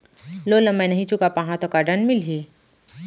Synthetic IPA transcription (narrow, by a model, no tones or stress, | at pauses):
lolɐmːɛ̃nɐɦĩt͡ʃukapãɦãt̪okaɖənmɪlɦi